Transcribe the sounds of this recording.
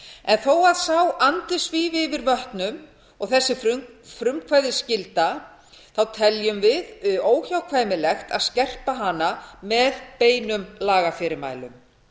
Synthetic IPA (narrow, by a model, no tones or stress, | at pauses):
ɛnθowaðsawant̪ɪsviːvɪvɪɾvœht̪nʏm | ɔɣθɛsːɪffɾʏmkʰvaːjðɪscɪlt̪a | θawt̪ʰɛljʏmvɪðoːwçawkʰvaːjmɪlɛxt̪a̰ðscɛr̥paɦanamɛðpeːjnʏmlaːɣafɪɾɪma̰ːjlʏm